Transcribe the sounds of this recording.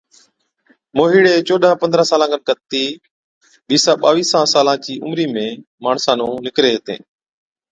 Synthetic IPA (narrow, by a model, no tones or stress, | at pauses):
moːɦiːɽeːt͡ʃoːɗʱãːpənd̪ɾãːsaːlãːɡənkət̪ːiː | ɓiːsãːɓaːʋiːsãːsaːlãːt͡ʃiːʔʊ̰mɾiːmẽː | maːɳsãːnũːnɪkɾeːɦt̪ḛ̃ː